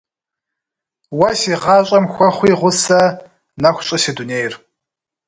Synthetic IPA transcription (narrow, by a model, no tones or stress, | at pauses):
wɐsiʁɑːɕʼɐmxʷɔχʷiːʁʷʊsɐ | nɐxʷɕʼɐseduneːjr